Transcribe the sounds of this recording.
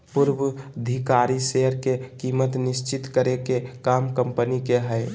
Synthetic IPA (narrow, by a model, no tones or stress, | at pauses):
pʊɾwəd̪ʱikaːɾiseɦəɾkekiːmət̪nɪst͡ʃɪt̪kəɾekekaːmkəmpənikeɦɛɪ